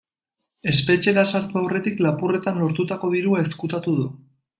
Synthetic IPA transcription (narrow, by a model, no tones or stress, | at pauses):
e̞spe̞t͡ʃe̞ɣasaɾt̪uawre̞t̪iklapure̞t̪anlo̞ɾt̪ut̪ako̞ðiɾuae̞skut̪at̪uðu